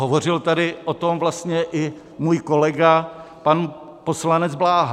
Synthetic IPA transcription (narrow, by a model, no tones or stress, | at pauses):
ɦovo̞r̝ɪlt̪adɪʔot̪omvlast̪ɲɛʔɪ | muːjko̞lɛɡa | pan | poslanɛd͡zblaːɦ